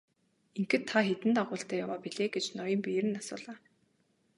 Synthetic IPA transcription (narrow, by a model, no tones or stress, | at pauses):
iŋkɘ̆t̪ʰːaxet̪ɘ̆nt̪aʁʊːɬt̪æːjawaːpiɮeːɡet͡ɕnɔjɞ̆mpijɾɘ̆nasʊːɮaː